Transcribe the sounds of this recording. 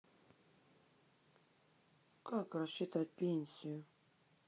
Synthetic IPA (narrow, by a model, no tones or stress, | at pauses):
kakrɐɕːɪt̪at̚ʲpʲenʲsʲɪjʊ